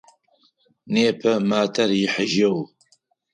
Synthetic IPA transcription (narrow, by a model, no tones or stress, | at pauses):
neːpʰɐmaːtʰɐrjɪħəʒɐw